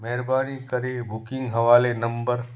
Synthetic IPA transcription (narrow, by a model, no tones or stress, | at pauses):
mɛɦɾbaːñikɐɾebʊkɪ̃ŋɡɦɐʋaːlenɐ̃mbəɾ